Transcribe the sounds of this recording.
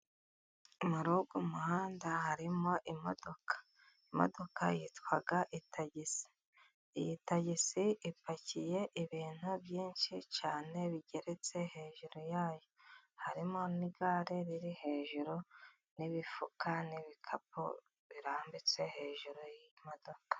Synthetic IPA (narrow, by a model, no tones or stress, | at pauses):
umuɾuɡumuhaːndahaɾimo̞ʔimo̰do̞kḁ | imo̰do̞kʰa̰jitwaɡaʔitʰaɟisi̥ | jitaɟisiʔipacije̞ʔiβiːn̥huβjiːnʃit͡ʃaːne̞βiɟe̞ɾe̞t͡se̞he̞ːʒuɾojaːjohaɾimo̞niɡaɾeɾiɾihe̞ːʒuɾo | niβifukaniβikʰap̚o̰ | βiɾaːmbit͡se̞he̞ːʒuɾojmo̞do̞kḁ